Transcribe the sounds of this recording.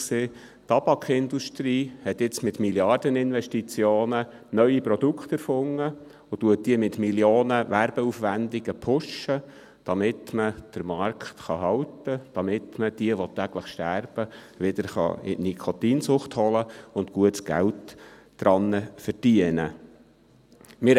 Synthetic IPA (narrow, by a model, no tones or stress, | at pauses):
seː | tɑb̥ɑkχɪnd̪uʃtɾiːhɛt̪ɪt͡smɪt̪miljɑrd̥̪ənɪnʋɛʃtit͡sjoːnə | nœʏipɾɔd̥̪ukχt̪æɾfʊŋːə | ʊtuət̚d̥iəmɪt̪miljoːnəʋæɾb̥ɛufʋænd̪iɡ̥əpʰʊʃə | d̥ɑmɪt̪məd̪̥əɾmɑrkχt̪χɑɦɑwtəd̪̥ɑmɪt̪məd̥iəʋɔt̪ːæɡləχʃtærb̥ə | ʋɪd̪̥əɾχɑ̰ɪ̰nikʰot̪iːnsʊχthɔləʊnt̪kuətsɡ̥æ̰ltː | ɾɑnːəfərd̥iənə̰ | mɪ